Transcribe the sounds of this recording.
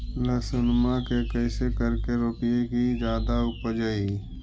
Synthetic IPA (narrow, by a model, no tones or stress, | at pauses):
ləsʊnmakekɛːsekɐɾkeɾoːpijekizjaːd̪aʊpd͡ʒai